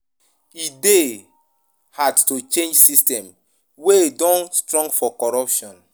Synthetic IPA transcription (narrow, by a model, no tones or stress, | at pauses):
ide | hadtut͡ʃẽnd͡ʒsistɛ̃m | weedɔ̃nstɹɔ̃ŋɡfɔkɔɹɔpʃɔ̃n